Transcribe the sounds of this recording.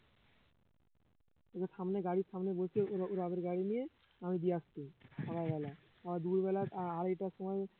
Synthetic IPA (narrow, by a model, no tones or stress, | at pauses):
ekeʃamneɡaɽiɾʃamnebolt͡ɕʰieoɾuɾabeɾɡaɽinije | amid̪ieaʃt̪iʃɔkʰajbɛla | amad̪uɾbɛlataaɾeʈaʃɔmɔe